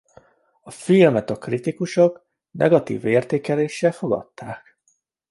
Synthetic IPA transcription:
ɒfilmɛt̪ɒkrit̪ikuʃok | nʔɛ̰ɡɒt̪ḭːveːrt̪eːkɛleːʃːɛlfo̞ɡɒ̰t̪ːaːk

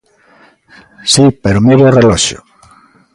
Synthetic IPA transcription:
sipeɾʊmiβorelɔʃo̰

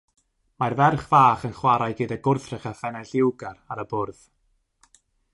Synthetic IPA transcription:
marvɛrχv̥aːχənχwaɾajɡɪdaɡʊrθrɪχafɛnaɬɪwɡaɾaɾəbʊrð̥

